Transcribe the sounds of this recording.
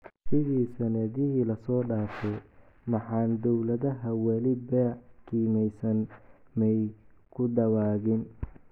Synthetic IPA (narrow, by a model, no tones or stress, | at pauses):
sɪðiːsɐnɛðɪɦiːlɐsɔːɖaːfɛ | mɑħɑːnd̪ɔwlɐðɐɦɐwɐlɪbɛːkʰiːmɛjsɐnmɛj | kʰʊd̪ɐwaːɣɪn